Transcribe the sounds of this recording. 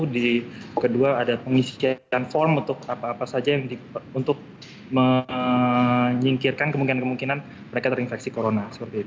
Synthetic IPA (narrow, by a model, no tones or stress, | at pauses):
dikəduaːdapəŋisianfɔrmunt̪ʊkapaːpasad͡ʒajaŋdiunt̪ʊk̚ | mə | ɲiŋkirkankəmuŋkinankəmuŋkinan | məɾekat̪əɾinfɛk̚sikoɾonasə̥pərt̪iːt̪u̥